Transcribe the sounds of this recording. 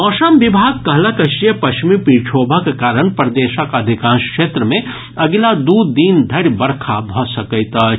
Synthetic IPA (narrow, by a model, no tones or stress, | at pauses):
ɔːʃəmʋɪbʱaːɡ̚kɐɦlakɐʃɾijəpɐʃmipiɾt͡ʃʰoːbʱakekaːɾəɳ̃pɾɐd̪eːʃəkɐd̪ʱɪkãːnʃkʃeːt̪ɾəmẽ | ɐɡɪlad̪uːd̪ːiːnd̪ʱɐɽjbɐɾkʰabʱɔsɐkət̪a